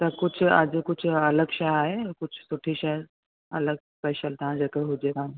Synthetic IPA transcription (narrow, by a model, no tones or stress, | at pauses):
t̪ɐkʊd͡ʑʱʊɐ̰d͡ʑkʊd͡ʑʱʊɐləɡʃajaːɦekʊd͡ʑʱʊ̥sʊʈʰiʃɐ | ɐ̰ləɡspɛːʃəlt̪ɐ̤ãd͡ʑeːkeɦʊd͡ʑet̪ã